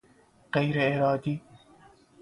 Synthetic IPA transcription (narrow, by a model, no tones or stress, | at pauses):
ɣajɾʔɪɾɑːd̪iː